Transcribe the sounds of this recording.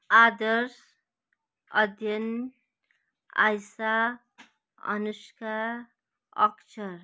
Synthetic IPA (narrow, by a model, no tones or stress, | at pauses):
ad̪ʌɾs | ʌ̰d̪ʱjʌn | a̰jsa | ʌ̰nuskaɾ | ʌ̰kt͡ʃʰʌɾ